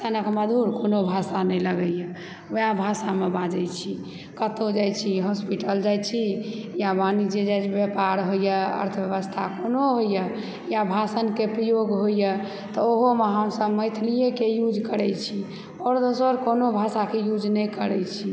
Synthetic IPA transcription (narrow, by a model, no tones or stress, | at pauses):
t̪anəkməd̪ʱuɾkonobʱasanɛjləɡəjə | jabʱasamebad͡ʒəjt͡ʃʰi | kət̪od͡ʒajt͡ʃʰiɦɔspiʈəld͡ʒajt͡ʃʰijabanid͡ʒed͡ʒajt͡ʃʰbjəpaɾɦojəə̰ɾt̪ʰbjəβəst̪ʰakonoɦojjə | jabʱasənkepɾəjoɡɦojjə | t̪ɔoɦomeɦəmsəbməjt̪ʰlijekejud͡ʒʱkəɾɛt͡ʃʰi | ɔːɾd̪osəɾkonobʱasakejud͡ʒnɛjkəɾɛjt͡ʃʰi